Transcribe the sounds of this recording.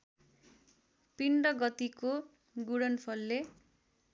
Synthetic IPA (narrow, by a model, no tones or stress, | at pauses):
piɳɖʌɡʌt̪iko | ɡuɽʌnpʰʌlːe